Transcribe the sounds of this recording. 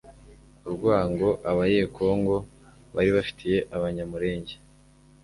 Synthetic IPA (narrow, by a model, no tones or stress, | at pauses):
uɾɡwaːŋɡo̞ʔaβajeːkʰo̞ːŋɡo̞ | βaɾiβafi̥tʰije̞ʔaβaɲamuɾe̞ːɲɟe̞